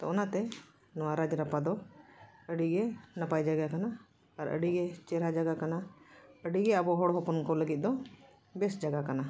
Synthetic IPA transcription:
t̪ɔɔnat̪ɛ | nɔwaɾad͡ʒɾapad̪ɔ | əɖiɡɛnapajd͡ʒaɡakanaː | ɾə̰ɖiɡɛt͡ʃɛɾad͡ʒaɡakanaəɖiɡɛəbɔɦɔɽɦɔpɔnkɔləɡit̪̚ˀd̪ɔ | bɛsd͡ʒaɡakana

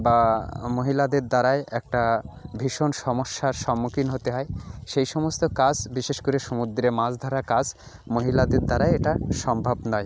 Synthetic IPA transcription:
bamoɦilad̪eɾd̪aɾaeɛk̚ʈabʱiʃonʃɔmoʃːaɾʃɔmːukinɦot̪eɦɔeʃejʃɔmost̪okad͡ʑbiʃeʃkoɾeʃomud̪ɾemãd͡ʑd̪ʱɔɾakad͡ʑ | moɦilad̪eɾd̪aɾaeeʈaʃɔmbʱabnɔe

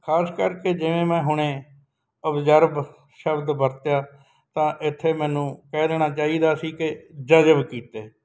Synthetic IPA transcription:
kʰaːskəɾked͡ʒɪʋẽːmɛ̃ːɦʊɽ̃ẽː | əbzəɾb | ʃəbd̪bəɾt̪jaː | t̪ãːʔɪt̪ʰːeːmɛ̃ːnũːkɛːd̪ɛːɽ̃aːt͡ʃaːiːd̪aːsiːkɪd͡ʒəd͡ʒəbkiːt̪eː

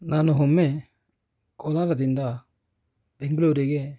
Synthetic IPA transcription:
nanɔɦɔme | kɔlaɾadinda | b̥eŋɡlowɾeɡe

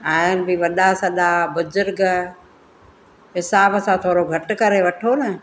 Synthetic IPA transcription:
aːɪnbɪʋɐɗ̪asɐɗ̪abʊzʊɾɡ | ɦɪsaːbsãt̪ʰoːɾoɡʱɐʈkɐɾeʋɐʈʰonɐ

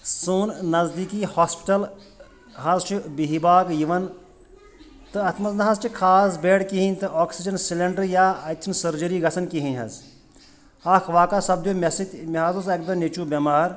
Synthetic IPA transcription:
suːnnɐzd̪iːkihaːspi̥ʈɐl | ɦɐzt͡ʃʰubiɦibaːkjiʋɐn | t̪ɨɐt̪ʰmɐznɦɐzt͡ʃʰikʰaːs̬beːɽkiɦinʲt̪ɨʔoːksid͡ʒɐnsilɐɳɖɐɾjaːɐt̪ʲʰinsɐɾd͡ʒɐɾiːɡɐsʰɐnkiɦinʲɦɐ̰z | aːkʰʋaːkasɐb̚d̪joːmʲɐsit̪ʲmʲiɦaːzɐzɐk̚d̪ɐnet͡ʃuːbʲemaːɾ

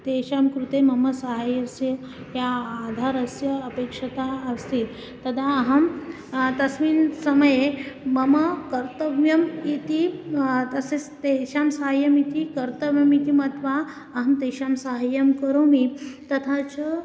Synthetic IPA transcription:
t̪eːɕamkɾut̪emɐməsɐɦajɐsjɐ | jaːd̪ʱaːɾɐsjɐːpekʂɐt̪aːst̪iːt̪ | t̪ːɐd̪aːɦɐm | t̪ɐsʋiːnsɐməjemɐməkɐɾt̪əʋjɐmit̪it̪ɐsest̪eɕamsaɦajɐmit̪ikɐɾt̪ɐʋjɐmit̪imɐt̪ʋa | ɐɦɐmt̪eːɕamsaɦajɐmkəɾomit̪ɐt̪ʰat͡ɕə

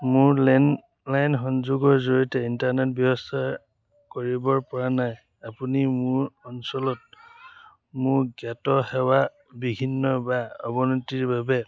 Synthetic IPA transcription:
mʊɹlɛn | lajnxɔnzuɡɔɹzoɹitɛintaɹnɛtbjɔbɔstʰa | koɹibɔɹpɔɹanaj | apunimʊɹɔnsɔlɔt̚ | mʊɹɡatɔhɛwa | bibʱinːɔbaɔbɔnɔtiɹbabɛ

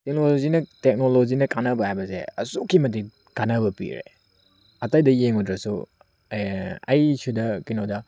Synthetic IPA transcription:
tek̚nolozinɐtek̚nolozinɐkanɐbɐhajbɐsḛɐ̰sukʰːimɐti | kanɐbɐpḭɾḛ | ɐtajdɐjeŋudɾɐsṵ | ɐjsʰudɐkinodɐ

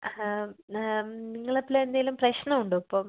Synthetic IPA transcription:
niŋːɐɭep̪ːileend̪aːjilumprɐɕnɐmuɳɖɨɐpːoːm

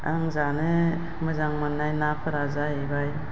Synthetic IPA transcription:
aŋzanɯ | məzaŋmanːajnapʰəɾazaibaj

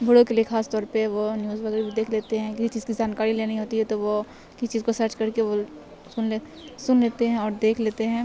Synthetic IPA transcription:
bʱʊɽokeliexaːst̪ɔːɾpeʋonjuːzʋɐɡəɾbʱid̪eːkʰleːt̪eɦɛ̃kɪsit͡ʃiːzkid͡ʒaːnkaːɾileːnɐɦiɦoːt̪iɦɛt̪oʋo | kɪsit͡ʃiːzkosɐɾt͡ʃkɐɾkeʋo | sʊn | sʊnleːt̪eɦɛ̃ɔːɾd̪eːkʰleːt̪eɦɛ̃ː

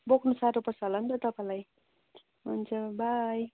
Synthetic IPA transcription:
boknusaɾopʌsʌlʌnt̪ʌt̪ʌpãlaj | ɦunt͡sʰʌbʱaj

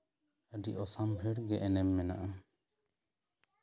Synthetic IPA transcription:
əɖiʔɔsambʱɛɽɡɛʔɛnɛmːɛna̰ʔa

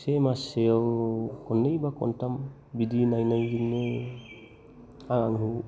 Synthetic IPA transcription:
semaseɔwkɔnːejbakɔ̰ntam | bid̪inajnajɡiŋne | aŋaŋɦu

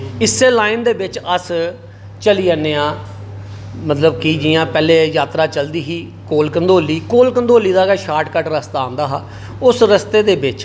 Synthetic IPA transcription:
ɪsːeːlaːɪnd̪eːbɪt͡ʃəs | t͡ʃəliːaːneːãː | mət̪ləbkiːd͡ʒiːjãːpɛːleːjaːt̪ɾaːt͡ʃəld̪iːɦiː | koːlkənd̪oːliːkoːlkənd̪oːliːd̪aːɡaːʃaːʈkəʈɾəst̪aːãːnd̪aːɦaː | ʊsɾəst̪eːd̪eːbɪt͡ʃ

